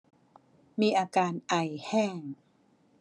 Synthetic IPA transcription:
miː˧ʔaː˧kaː˧nʔa˧jhɛː˥˩ŋ

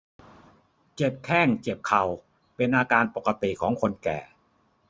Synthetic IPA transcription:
t͡ɕe˨˩p̚kʰɛː˥˩ŋt͡ɕe˨˩p̚kʰa˨˩w | pe˧nʔaː˧kaː˧npo˨˩ka˧t̪i˨˩kʰɔː˩˦ŋkʰo˧nkɛ̰ː˨˩

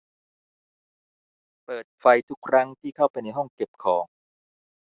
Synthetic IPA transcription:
pɤː˨˩t̪̚fa˧jt̪ʰu˦˥kʰːɾa˦˥ŋt̪ʰiː˥˩kʰa˥˩wpa˧jna˧jɦɔ˥˩ŋke˨˩p̚kʰɔː˩˦ŋ

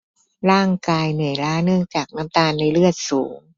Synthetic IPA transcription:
ɾaː˥˩ŋkaː˧jnɯ˨˩əjɾaː˦˥nɯ˥˩əŋt͡ɕaː˨˩k̚naː˦˥mt̪aː˧nːa˧˥˩jlɯ˥˩ət̪̚suː˩˦ŋ

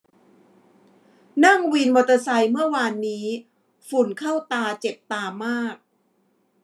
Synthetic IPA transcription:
na˥˩ŋwi˧nwa˨˧˩t̪ːa˧sa˧jmɯ˥˩ɐəwaː˧nːiː˦˥ | fu˨˩nkʰa˥˩wt̪aː˧t͡ɕe˨˩p̚t̪aː˧maː˥˩k̚

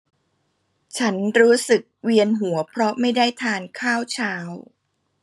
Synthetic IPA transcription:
t͡ɕʰa˦˥nɾuː˦˥sɯ˨˩k̚wi˧ənɦu˩˦ɐpʰɾɔ˦˥ma˥˩jdaː˥˩jt̪ʰaː˧nkʰaː˥˩wt͡ɕʰaː˦˥w

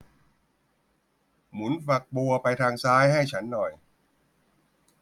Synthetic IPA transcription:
mu˩˦nfa˨˩k̚bu˧ɐpa˧jt̪ʰaː˧ŋsaː˦˥jɦa˥˩jt͡ɕʰa˦˥nːɔ˨˩j

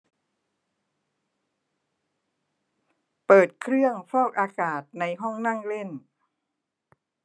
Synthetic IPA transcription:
pɤː˨˩t̪̚kʰɾɯ˥˩əŋfɔː˥˩k̚ʔaː˧kaː˨˩t̪̚na˧jɦɔ˥˩ŋna˥˩ŋle˥˩n

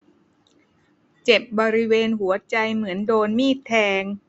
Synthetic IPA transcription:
t͡ɕe˨˩p̚bɔː˧ɾi˦˥weː˧nɦu˩˦ɐt͡ɕa˧jmɯ˩˦əndoː˧nmiː˥˩t̪ʰːɛː˧ŋ

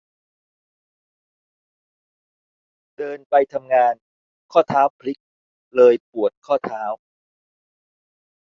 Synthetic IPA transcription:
dɤː˧npa˧jt̪ʰa˧mŋaː˧n | kʰɔː˥˩t̪ʰaː˦˥wpʰli˦˥k̚ | lɤː˧jpu˨˩ət̪̚kʰɔː˥˩t̪ʰaː˦˥w

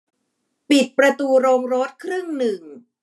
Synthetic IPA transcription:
pi˨˩t̪̚pɾa˧t̪uː˧ɾoː˧ŋɾo˦˥t̪̚kʰɾɯ˥˩ŋnɯ˨˩ŋ

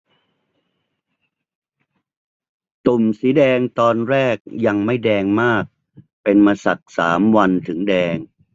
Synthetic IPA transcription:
t̪u˨˩msiː˩˦dɛː˧ŋt̪ɔː˧nɾɛː˥˩k̚ja˧ŋma˥˩jdɛː˧ŋmaː˥˩k̚ | pe˧nmaː˧sa̰˨˩k̚saː˩˦mwa˧nt̪ʰɯ˩˦ŋdɛː˧ŋ

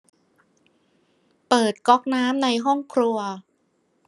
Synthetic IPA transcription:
pɤː˨˩t̪̚kɔ˦˥k̚naː˦˥mna˧jɦɔ˥˩ŋkʰɾu˧ɐ

